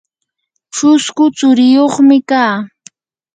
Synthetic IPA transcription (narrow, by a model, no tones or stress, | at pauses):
ʈ͡ʂʊskʊt͡sʊɾɪjoχmɪkaː